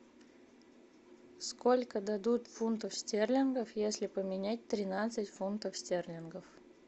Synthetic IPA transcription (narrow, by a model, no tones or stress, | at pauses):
skolʲkəd̪ɐd̪ut̪funt̪əfsʲtʲerlʲɪnɡəfjesʲlʲɪpəmʲɪnʲæt̚ʲt̪ɾʲɪnat̪sɨtʲfunt̪əfsʲtʲerlʲɪnɡəf